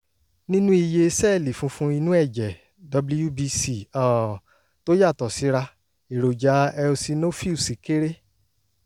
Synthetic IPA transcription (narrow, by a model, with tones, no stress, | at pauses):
nĩ˦nũ˦i˧je˧sɛ˦˨li˨fũ˨˦fũ˦i˧nũ˦ɛ˦˨d͡ʒɛ˨ | dɔ˧blu˦ju˦bi˦si˦˨ɔ˦˨ | to˦ja˦˨tɔ˨si˨˦ɾa˧ | i˨ɾo˨d͡ʒa˨˦ɛ˧o˧si˧no˦fi˦˨si˨˦ke˦ɾe˦